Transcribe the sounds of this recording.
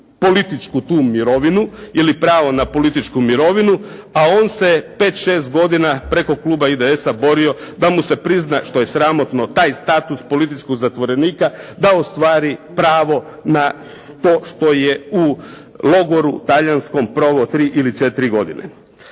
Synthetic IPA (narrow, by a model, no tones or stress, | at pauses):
po̞lit̪it͡ʃkut̪uːmiɾo̞ʋinuilipɾaːʋo̞napo̞lit̪it͡ʃkumiɾo̞ʋinuao̞ːnse̞pe̞ːt̪ʃe̞ːst̪ɡo̞d̪inapɾe̞ko̞klˠuːbaid̪ee̞sabo̞ɾio̞d̪amuse̞pɾiznaʃt̪o̞je̞sɾamo̞t̪no̞t̪aːjst̪aːt̪uspo̞lit̪it͡ʃkoɡzat̪ʋo̞ɾe̞niːkad̪aost̪ʋaːɾipɾaːʋo̞ | na | t̪o̞ːʃt̪o̞jeu | lo̞ɡo̞ɾut̪aʎansko̞mpɾo̞ːʋot̪ɾiːʔilit͡ʃe̞t̪iɾiɡo̞d̪ḭnʔḛ